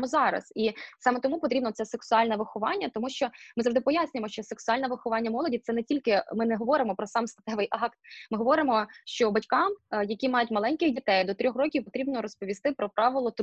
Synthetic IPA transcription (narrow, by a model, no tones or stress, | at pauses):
mɔzɑɾɐ̰sisɑmɛt̪ɔmupɔt̪ɾʲibnɔt̪sɛseksʊɑlʲnɐʋɪxʊʋɑnʲːɐt̪ɔmuʃt͡ʃɔmɪzɐʒd̪ɪpɔjasʲnʲʊjemɔʃt͡ʃɔseksʊɑlʲnɛʋɪxʊʋɑnʲːɐmɔlˠɔdʲit̪sɛnɛtʲilʲkɪmɪnɛɦɔʋɔɾɪmɔpɾɔsɑmst̪ɐt̪ɛʋɪjʔɑkt̪mɪɦɔʋɔɾɪmɔʃt͡ʃɔbɐtʲkɑmjɐkʲimɑjʊtʲmɐlˠɛnʲkɪxdʲit̪ɛjd̪ɔt̪ɾʲɔxrɔkʲiwpɔt̪ɾʲibnɔɾɔspɔʋʲist̪ɪpɾɔpɾɑʋɪlˠɔt̪